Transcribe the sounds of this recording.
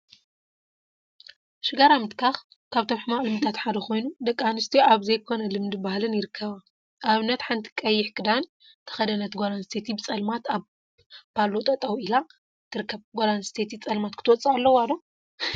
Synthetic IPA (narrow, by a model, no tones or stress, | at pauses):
ʃɨɡaɾamɨt̪kʰax | kʰaβt̪ʰo̞mħɨmaʔʼlɨmɨt̪ʰat̪ħad̪ɐxo̞jnud̪ɐkʼːanɨst̪ʰiʔaβzɐjkʰo̞nɐlɨmd̪ɨbahlɨnjɪɾɨkʰːɐβa | ʔaβɨnːɐt̪ħant̪ʰi̥kʼɐjːɪħkʰɨd̪an | t̪ʰɐ̥xɐd̪ɐnɐt̪ɡolanst̪ʰet̪ʰibɨt͡sʼɐlmat̪aβ | pʰalot̪ʼɐt̪ʼɐwila | t̪ʰɨɾɨkʰːɐβɡolansɨ̥t̪ʰet̪ʰit͡sʼɐlmat̪kʰɨt̪ʰwɔt͡sʼaalːɐwad̪o